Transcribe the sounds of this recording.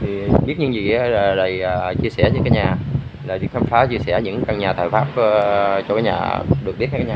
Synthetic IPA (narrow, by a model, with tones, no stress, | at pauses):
t̪ʰi˨˩ɨ˨˩k̚ɓi˦˥ət̚ɲɨ˧˦ŋzḭ˧˨ʔlaː˨˩ɗə˨˩jəː˨˩t͡ɕi˧əsɛ˧˩ɲəː˧˦kaː˨˦jɲaː˨˩laː˨˩vḭ˨˥˦ŋt̪ʰaː˧nfaː˨˦t͡ɕi˧əsɛ˧˩ɲɨ̰˧˥ŋ˧ka˧ŋɲaː˨˩t̪ʰə̰ː˧˨˩jfaː˦˥p̚ːt͡ɕɔ˧kaː˨˦jɲa̰ː˨˩ɗɨ˨˩k̚ɓi˦˥t̚ɲa˧kːaː˨˦ɲaː˨